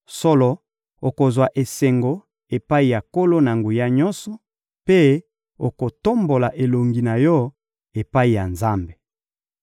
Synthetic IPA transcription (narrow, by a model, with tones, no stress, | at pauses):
so˦lɔ˨ | o˨ko˨zwa˨ʔe˨se˨ŋɡo˨ | e˨pa˦i˨ja˨ko˦lo˦na˨ŋɡu˨ja˦ɲɔ˦nsɔ˨ | pe˦ | o˨ko˨to˦mbo˨la˨ʔe˨lo˨ŋɡi˨na˨jɔ˦ | e˨pa˦i˨ja˨nza˦mbe˨